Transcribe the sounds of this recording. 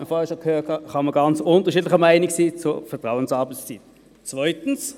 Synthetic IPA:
əfɔːʁɛʃokʰhøːthɑχɑməɡɑnt͡sʊntəʁʃiːdlɪχəmaɪniksiːt͡sufɛɐtʁaʊənsɑbəst͡sit | t͡svœʏtən̩s

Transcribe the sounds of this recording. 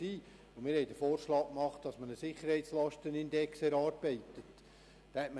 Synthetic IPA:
iː | ʊmɪːɾhɛɪdəfoːɾʃlɑːkkmɑχt̚dɑsmənəsɪχəɾhɛɪtslɑʃtənɪnd̪ɛksɛɾɑːɾbɛɪtət | tɛtmə

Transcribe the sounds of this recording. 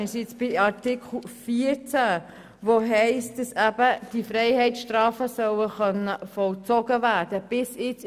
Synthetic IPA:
ɪsɪt͡sb̥ɪɑɾtɪkʰl̩fiːəɾt͡sæ | ʋoɦɛɪstd̥ɑsæb̥əd̥ifɾɛɪhɛɪtʃtɾɑːfəsœwəχœnəfɔlt͡sɔɡəvæːrd̥əb̥ɪsɪt͡s

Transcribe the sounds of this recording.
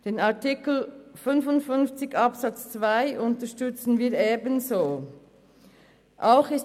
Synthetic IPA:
d̥eːnaɐtɪkl̩fʏnfʊntfʏnft͡sɪçɑpsɑt͡st͡sv̥aɪʔʊntəʃtʏt͡sn̩viːɐeːbənzoː | ʔaʊxɪs

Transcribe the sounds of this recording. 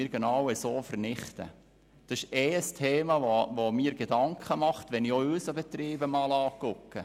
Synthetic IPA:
əɾɡ̥enɑwəsoːfərnɪχt̪ə̰ | d̥ɑsɪʃɛəstʰeːmɑʋoʋomiːɾɡ̥edɑŋkʰχəmɑχt̪ʋɛnioøːsəbɛt̪ɾiːbəmɑːlɑːkʊkːə

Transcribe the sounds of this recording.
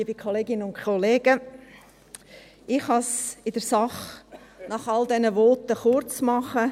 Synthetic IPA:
iːbikʰoleːɡɪnəʊnkʰoleːɡə | ɪχhɑsɪd̥əɾsɑχnɑχɑldɛnəʋɔtəχʊɾt͡smɑχə

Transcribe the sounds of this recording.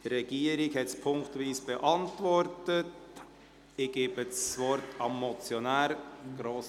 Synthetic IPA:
d̥ɾɛɡ̥iːəɾɪkhɛtspʰʊŋktʋiːsb̥ɛʔɑntʋɔrtət | ɪɡ̥eːbəsʋɔɾtʰɑmːɔt͡sjɔnæːɾɡ̥ɾoːs

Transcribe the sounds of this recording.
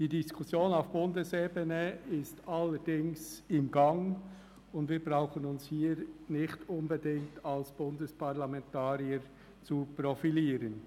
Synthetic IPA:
d̥iːdiskʰʊsjoːnaʊfb̥ʊndəseːbənəɪstalːəɾd̥ɪŋsɪmɡaŋ | ʊndviːbʁaʊxənʊnshiːɾnɪxtʊnbɛdɪŋktʰalsb̥ʊndəspʰaʁlamɛntʰaːɾiəɾ | t͡supɾɔfiliːɾən

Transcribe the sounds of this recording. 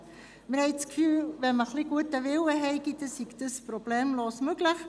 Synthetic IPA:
mɪɾhɛskfyːvɛməχliɡuətəvɪwəɦɛɪɡit̪əsiɡd̥̪əspɾob̥lɛːmloːsmøɡləχ

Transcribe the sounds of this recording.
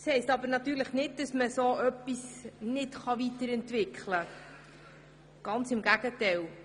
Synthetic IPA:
shɛɪstɑbəɾnɑt̪yːɾləχnɪt̚d̥ɑsməsoːʔœpːisnɪtχɑʋitəɾɛntvɪkχlə | ɡ̥ɑnt͡sɪmɡæɡətɛɪl

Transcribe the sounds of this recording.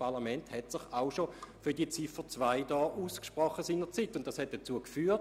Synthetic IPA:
pɑlamɛnthɛtsɪχaʊʃofyɐdiət͡sifət͡svaɪdɑːʔuːskʃpʁɔχːəsiːnəʁt͡sitːʊntd̥ɑshɛt̚d̥ət͡suəkfyːɐt

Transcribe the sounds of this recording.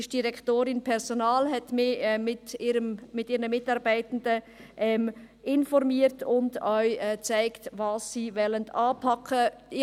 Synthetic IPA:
ɪʃ̚d̥iɾɛktoːɾɪnpʰɛɾzonɑːlɦɛtmɪɛmɪtɪɾəmmɪtiːɾnəmɪtɑɾbaɪtn̩də | ʔɛm | ɪnfɔɾmiːətʊndœʏɛt͡saɪktvɑːsːiːvɛləndɑːpʰɑkʰə

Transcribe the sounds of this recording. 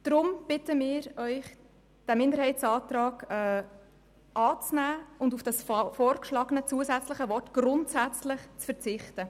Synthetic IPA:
d̥ɾʊmb̥ɪtəmɪːɾœʏχ | d̥æmɪndəɾhɛɪtsɑːtɾɑːɡɛː | ʔɑːt͡snæːʊndufd̥ɑsfɔːɾkʃlɑːɡənət͡suəzæt͡sləχəvɔrtɡ̥ɾʊntsæt͡slɪχt͡sfəɾt͡sɪχtə

